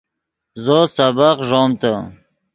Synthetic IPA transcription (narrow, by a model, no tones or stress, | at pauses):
zosabaqʐoːmt̪a